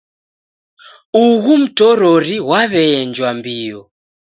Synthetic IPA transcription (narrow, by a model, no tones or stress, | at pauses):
uɣum̩tɔɾɔɾiwaβɛɛnd͡ʒwambiɔ